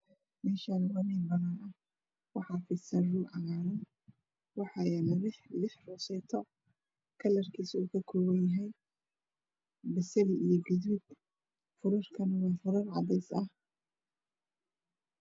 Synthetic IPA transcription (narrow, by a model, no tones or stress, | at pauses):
mɛːʃaːnwɐnɛːbɐnaːnʔɐh | wɑħɑːfɪsɐruːʔɐɣaːɾɐn | wɑħɑjɛlɐlɪħlɪħrɔsɛːt̪ʰɔ | kʰɐlɐrkʰiːsuːkʰɐkʰɔːwɐnjɐɦɛj | bɪsɛlijɞɡʊðuːd̚ | fʊɾʊrkʰɐnwɑːfʊɾɐrʕɑ̰ðɛjsɐh